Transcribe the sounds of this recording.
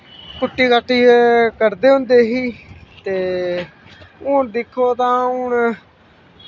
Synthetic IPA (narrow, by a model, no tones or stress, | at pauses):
kʊʈːiːkaːʈːiːkəɾd̪eːɦʊ̃nd̪eːɦiːt̪eː | ʊɳd̪ɪkʰːoːt̪ãːʊɳ